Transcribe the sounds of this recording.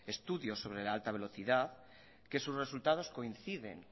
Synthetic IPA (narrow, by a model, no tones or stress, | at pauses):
e̞st̪uðjo̞sːo̞βɾe̞laalt̪aβ̞e̞lo̞θiðað | ke̞suzre̞sult̪að̞o̞sko̞in̟θiðe̞̰ŋ